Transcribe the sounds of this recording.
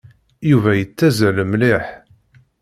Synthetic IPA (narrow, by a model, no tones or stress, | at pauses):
juvæjət͡sːæzæləmliħ